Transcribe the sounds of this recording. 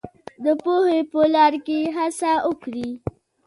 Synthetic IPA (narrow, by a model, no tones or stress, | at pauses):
d̪əpohepəlɑɾkeɦasaokɽi